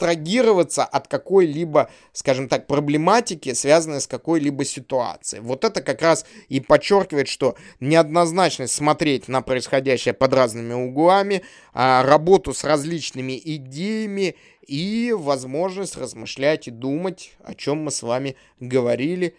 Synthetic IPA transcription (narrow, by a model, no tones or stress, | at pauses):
t̪ɾɐɡʲiɾəvət̪səʔɐt̪kɐko̞jlʲibə | skaʐɨmt̪ak̚pɾəblʲɪmatʲɪkʲɪsvʲazənəjskɐko̞jlʲibəsʲɪt̪ʊa̰t̪sɨɪvo̞t̪ɛt̪əkɐkɾasipɐt͡ɕːo̞rkʲɪvəɪt̪ʂt̪o̞nʲɪɐd̪nɐznat͡ɕnəsʲt̪ʲsmɐt̪ɾʲet̚ʲnəpɾəɪsxɐdʲæɕːɪjəpɐd̪ɾaznɨmʲɪʊɡlˠamʲɪ | rɐbo̞t̪ʊsrɐzʲlʲit͡ɕnɨmʲɪʔɪdʲejɪmʲɪ | ivɐzmo̞ʐnəsʲtʲrəzmɨʂlʲætʲɪd̪umətʲɐ̰t͡ɕo̞mːɨsvamʲɪ | ɡəvɐɾʲilʲɪ